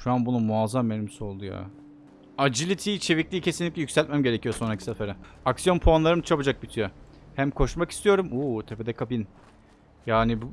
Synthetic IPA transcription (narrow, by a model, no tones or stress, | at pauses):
ʃuanbunumuazamːeɾimso̞lˠd̪uja̰ | ad͡ʒilʲit̪ʰiːit͡ʃʰe̞viclʲiːicʰe̞sinlʲiclʲɛjycsælʲt̪̚mæmɟe̞ɾecijo̞so̞nɾacʰi̥safeɾɛaksijo̞npʰoanlˠaɾɯmt͡ʃʰabad͡ʒak̚bit̪ʰijo | hæmkʰo̞ʃmaki̥st̪ʰijo̞ɾumuːt̪ʰeped̪ɛkʰapin | jaːnib